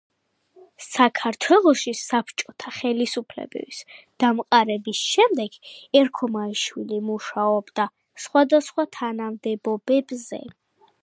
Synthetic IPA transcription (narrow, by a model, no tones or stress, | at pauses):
sakʰaɾt̪ʰwɛlˠɔʃisapʰt͡ʃʼɔt̪ʰaχɛlisupʰlɛ̰bɛ̰bisd̪̥amqʼaɾɛbisʃɛmd̪ɛɡ̥ɛɾkʰɔmaiʃwilimuʃaɔbd̪a | sχwad̪asχwat̪ʰanamd̪ɛbɔbɛbzɛ̰